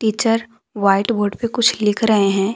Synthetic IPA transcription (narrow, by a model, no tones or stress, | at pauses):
ʈiːt͡ʃəɾ | ʋaːɪʈboːɾɖpekʊt͡ʃʰlɪkʰɾɐɦeɦɛ̃ː